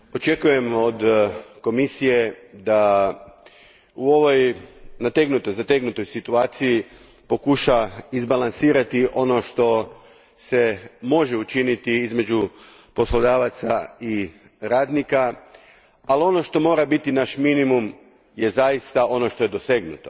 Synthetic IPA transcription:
o̞t͡ʃe̞kuje̞mo̞d̪ko̞misije̞d̪a | uo̞ʋo̞jnat̪eɡnut̪ojzat̪eɡnut̪o̞jsit̪uaːt̪siji | po̞kuʃaizbalˠansiːɾat̪iʔo̞no̞ʃt̪o̞ | se̞mo̞ʒe̞ut͡ʃinit̪iizme̞d͡ʒu | po̞slod̪aːʋat̪sai | ɾaːd̪nika | alio̞no̞ʃt̪o̞mo̞ːɾabit̪inaʃminimum | je̞zajist̪ao̞no̞ʃt̪o̞je̞d̪o̞se̞ɡnut̪o̞

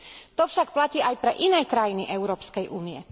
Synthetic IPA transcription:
t̪ɔfʃak̚placiːajpɾɛ̰ʔinɛːkɾajiniʔɛʊɾɔːpskɛjʔuːniɛ

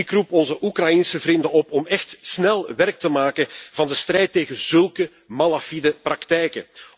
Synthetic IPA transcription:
ikrupɔnzəʔukrɑjinsəvrɪndənɔpɔmɛxtsnɛlˠʋɛrk̚təmaːkənv̥ɑndəstrɛjtːeːɣənzɵlˠkə | malafidəprɑktɛjkə

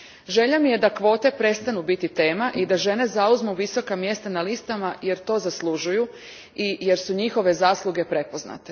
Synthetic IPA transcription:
ʒe̞ʎamije̞d̪akʋo̞ːt̪e̞pɾe̞st̪anubit̪it̪e̞ːmaʔid̪aʒe̞ne̞zauzmuʋiso̞kamje̞st̪analist̪amaje̞ɾt̪o̞ːzaslˠuʒuju | ije̞ɾsuɲixo̞ʋe̞zaːslˠuɡe̞pɾe̞po̞zna̰t̪e

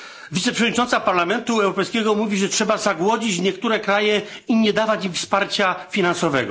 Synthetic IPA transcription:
vʲit̪sɛpʂɛvɔd̪ɲit͡ʂɔnt̪sapaɾlamɛnt̪uɛwɾɔpɛjskʲɛɡɔmuvʲiʐɛtʂɛbazaɡwɔd͡ʑit͡ɕɲɛkt̪uɾɛkɾajɛiɲɛd̪avat͡ɕimfspaɾt͡ɕafʲinansɔvɛ̰ɡɔ̰

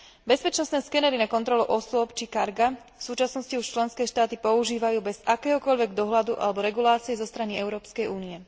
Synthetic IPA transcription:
bɛspɛt͡ʃnɔst̪nɛːskɛnɛɾinakɔnt̪ɾɔluʔɔsʊɔpt͡ʃikaɾɡa | fsuːt͡ʃasnɔsciuʃt͡ʃlɛnskɛːʃt̪aːt̪ipɔuʒiːʋajuːbɛz̥akɛːɦɔkɔʎʋɛɡd̪ɔɦlad̪uʔa̰lɛbɔɾɛɡulaːt͡siɛzɔst̪ɾaniɛʊɾɔːpskɛjuːniɛ

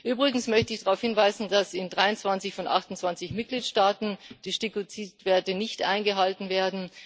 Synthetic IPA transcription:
ʔyːbʁɪɡŋ̩smœçtəɪçdaʁaʊfhɪnvaɪzn̩dasɪndʁaɪʊnt͡sv̥ant͡sɪçfɔnʔa̰χtʊnt͡sv̥ant͡sɪçmɪt̚ɡ̥liːtʃtaːtn̩d̥iːʃtikot͡siːtv̥ɛːɐtənɪçtʔa̰ɪnɡəɦaltn̩veːɐdn̩

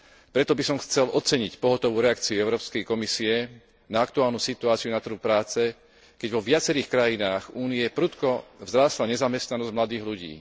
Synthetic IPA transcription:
pɾɛt̪ɔbisɔmxt͡sɛlʔɔt͡sɛɲicpɔɦɔt̪ɔʋuːɾɛakt͡siuɛʊɾɔːpskɛjkɔmisiɛ | naakt̪uaːlnuːsit̪uaːt͡siunat̪r̩ɦupɾaːt͡sɛ | kɛɟʋɔʋɪat͡sɛɾiːxkɾajinaːɣuːniɛpɾut̪kɔvzɾaːslaɲɛzamɛst̪nanɔzɟmlad̪iːɣluɟḭː

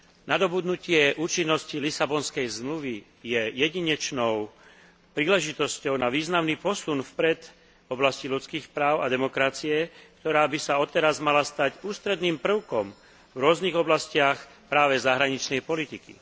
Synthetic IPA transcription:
nad̪ɔbud̪nucɪɛʔuːt͡ʃinːɔscilisabɔnskɛjzmluʋi | jɛjɛɟiɲɛt͡ʃnɔʊ | pɾiːlɛʒit̪ɔscɔʊnaʋiːznamniːpɔsunfpɾɛt̪ | ɔblascilut͡skiːxpɾaːʊa̰d̪ɛmɔkɾat͡siɛkt̪ɔɾaːbisaɔt̪ɛɾazmalast̪aɟuːst̪ɾɛd̪niːmpr̩ʊkɔm | vɾʊɔzniɣɔblascɪax | pɾaːʋɛzaɦɾaɲit͡ʃnɛjpɔlit̪ikḭ

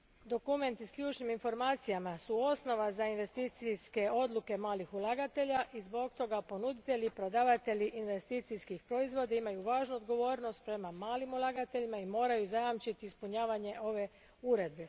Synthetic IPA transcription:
d̪o̞kume̞nt̪iskʎʲuːt͡ʃniminfo̞ɾmaːt̪sijamasuo̞sno̞ʋazainʋe̞st̪it̪siske̞o̞d̪lˠuke̞maːlixulˠaɡat̪e̞ʎaʔizbo̞ɡ̚t̪o̞ɡapo̞nud̪it̪e̞ʎipɾo̞d̪aːʋat̪e̞ʎiʔinʋe̞st̪it̪siskixpɾo̞izʋo̞d̪aimajuʋaːʒnuod̪ɡo̞ʋo̞ːɾno̞st̪̚pɾe̞mamaːlimulˠaɡat̪e̞ʎimaimo̞ːɾajuzajamt͡ʃit̪iːspuɲaːʋaɲe̞ʔo̞ʋe̞ | uɾe̞d̪̚be̞

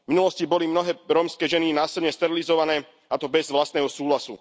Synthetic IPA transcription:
minulɔscibɔlimnɔɦɛːɾɔːmskɛːʒɛninaːsɛdɲɛst̪ɛɾilizɔʋanɛː | at̪ɔbɛzʋlast̪nɛːɦɔsuːlasṵ

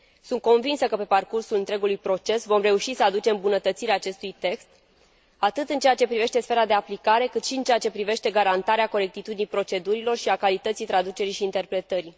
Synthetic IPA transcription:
sunt̪̚ko̞nvinsəkəpe̞parkursulɨnt̪ɾe̞ɡulujpɾo̞t͡ʃe̞svo̞mre̞uʃisəad̪ut͡ʃe̞mbunət̪ət̪siɾeaːt͡ʃe̞st̪ujt̪e̞kst̪ | at̪ɨt̪ɨnt͡ʃeat͡ʃe̞pɾive̞ʃt̪e̞sfe̞ɾad̪e̞aplikaɾe̞kɨt̪ʃiɨnt͡ʃeat͡ʃe̞pɾive̞ʃt̪e̞ɡaɾant̪aɾeako̞ɾe̞k̚t̪it̪ud̪inijpɾo̞t͡ʃe̞d̪uɾilo̞rʃiakalit̪ət̪sijt̪ɾad̪ut͡ʃe̞ɾiʃiːnt̪e̞rpɾe̞t̪əɾi

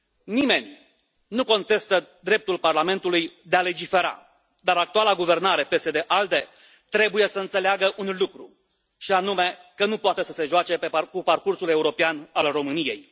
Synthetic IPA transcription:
nime̞nʲ | nuko̞nt̪e̞st̪əd̪ɾe̞p̚t̪ulparlame̞nt̪ulujd̪e̞ale̞d͡ʒife̞ɾa̰ | d̪aɾak̚t̪ualaɡuve̞rnaɾe̞pe̞se̞d̪e̞ʔald̪e̞ | t̪ɾe̞buje̞səɨnt̪se̞leaɡəʔunlukɾu | ʃianume̞kənupoat̪e̞səse̞ʒoat͡ʃe̞pekuparkursule̞uɾo̞peanalro̞mɨnije̞̰j

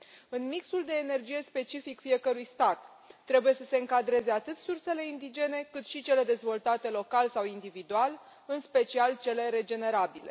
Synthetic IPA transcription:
ɨnmiksuld̪e̞ːne̞rd͡ʒije̞spe̞t͡ʃifikfie̞kəɾujst̪at̪ː | ɾe̞buje̞səse̞ɨŋkad̪ɾe̞ze̞at̪ɨt̪surse̞le̞ind̪id͡ʒe̞ne̞kɨt̪ʃit͡ʃe̞le̞d̪e̞zvo̞lt̪at̪e̞lo̞kalsawind̪ivid̪ual | ɨnspe̞t͡ʃialt͡ʃe̞le̞ɾe̞d͡ʒe̞ne̞ɾabile̞

